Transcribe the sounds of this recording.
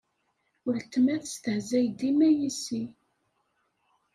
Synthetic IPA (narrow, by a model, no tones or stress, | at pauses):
əɾt̪ːmæðst̪əhzæjd̪imæjisi